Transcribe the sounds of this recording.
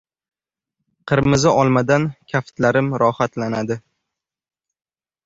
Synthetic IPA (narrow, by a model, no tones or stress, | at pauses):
qʰɨɾmɪzɪɒlˠmad̪ankʲʰaft̪laɾɪmɾɒhat̪lanad̪ɪ